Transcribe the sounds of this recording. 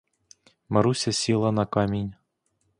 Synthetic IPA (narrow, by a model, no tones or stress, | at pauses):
mɐɾusʲɐsʲilˠɐnɐkɑmʲinʲ